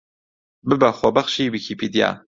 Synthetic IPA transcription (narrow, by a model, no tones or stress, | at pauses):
bɨbæxʷɔbɐχʃiːbɨkʰipʰiːd̪ija̰ː